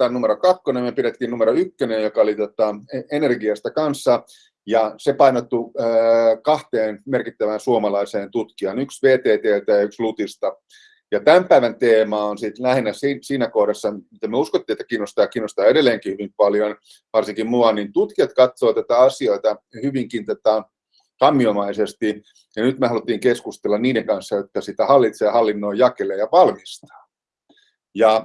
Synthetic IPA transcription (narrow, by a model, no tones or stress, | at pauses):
t̪ænnumeɾokɑkːonemyøpiɾet̪ːiːnnumeɾoykːønejjokɑolit̪ot̪ɑeenerɡiɑst̪ɑkɑnsːɑ | jɑsepɑinot̪ːuː | kɑht̪eːnmerkit̪ːæʋænsuomɑlɑiseːnt̪ut̪kiɑnyksʋeːt̪eːt̪eːlt̪ɑjɑykslut̪ist̪ɑ | jɑt̪æmpæiʋænt̪eːmɑːonsit̪læhenæsinsiːnækoːɾesːɑmit̪æmyøuskot̪ːiːet̪ːæ̥kiːnːost̪ɑːkiːnːost̪ɑːeɾelːˑeːŋkihyʋimpɑljon | ʋɑrsiŋkimmuɑnint̪ut̪kiɑt̪kɑt̪soːt̪æt̪æɑsioit̪ɑhyʋiŋkint̪ot̪ɑ | sɑmːiomɑisest̪i | jɑnyt̪meɑlut̪ːˑiːŋkeskust̪elːɑnniːdeŋkɑnsːɑjot̪ːɑsit̪æhɑlːit̪seːhɑlːinːoːjɑkeleːjɑʋɑlmist̪ɑ̥ː | jɑ